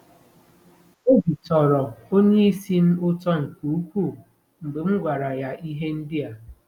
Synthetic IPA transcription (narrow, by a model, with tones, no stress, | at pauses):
o˦bi˨tɔ˨ɾɔ˨o˦ɲe˦i˦si˦n̩˦ʊ˦tɔ˦ŋ̩˨ku˨u˦kʷu˦˨ | m̩˨bɪ˨ŋ͡m̩˦ɡʷa˨ɾa˨ja˦ʔi˦ɦe˦n̩˦dɪ˦a˨